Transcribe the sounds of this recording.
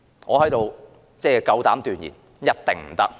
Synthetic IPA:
ŋɔ̰ː˨˧hɐ˨˥jt̪o˨˧w | t͡sɛː˥˧kɐ˨˧wt̪aː˨˥mt̪yː˨˧njḭ˨˩n | jɐ˥t̚t̪ɪ˨ŋm̩˨˩t̪ɐ˥k̚

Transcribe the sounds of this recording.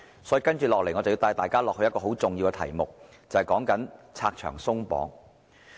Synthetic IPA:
sɔ˨˥ji˨˧kɐ˥nt͡ʃyː˨˩lɔː˨k̚le˨˩jŋɔ˨˧t͡sɐ˨wjiː˧wt̪aː˨˧jt̪aː˨jkaː˥lɔː˨hɵ˧jɐ˥t̚kɔː˧ɦo˨˥wt͡sʊ˨ŋjiː˧wkɛ˧t̪ʰɐ̰˨˩jmʊ˨k̚ | t͡sɐ˨whɐ˨jkɔː˨˥ŋkɐ˨˥nt͡sʰaː˧k̚t͡ʃʰœ̰ː˨˩ŋsʊ˥ŋpɔ̰ː˨˥ŋ

